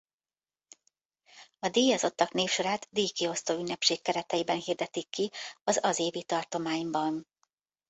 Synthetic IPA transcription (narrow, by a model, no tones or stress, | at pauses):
ɒd̪eːjɒzo̞t̪ːɒkneːfʃo̞ɾaːt̪d̪iːjkio̞st̪oːynːɛpʃeːkːɛɾɛt̪ɛjibɛnhiːrd̪ɛt̪ikːiɒzɒzeːvit̪ɒrt̪o̞maːjimbɒn